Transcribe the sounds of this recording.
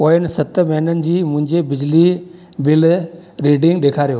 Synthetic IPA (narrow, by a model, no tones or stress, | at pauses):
poːjənɪ̆sət̪məɦinənɪ̆d͡ʑiːmʊ̃ɦɪ̃ɲd͡ʑebɪd͡ʑli | bɪl | ɾiːɖɪ̃ŋɡ̚ɗ̪eːkʰaɾijoː